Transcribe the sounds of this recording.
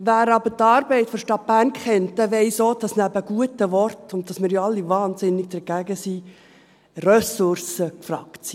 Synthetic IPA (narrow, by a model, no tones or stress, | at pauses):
ʋæːɾɑbətɑːɾbɛɪtfɔɾʃtɑt̚b̥æːrnkχɛnt̚d̥ɛʋɛɪsoːd̥ɑsnæbəɡ̥uətəʋɔrtʊnt̚d̥ɑsmɪːɾjoɑlːivɑːnsɪnːɪɡ̚d̥əɾɡ̥æɡəsi | rœsʊrsəkfɾɑ̰ktsi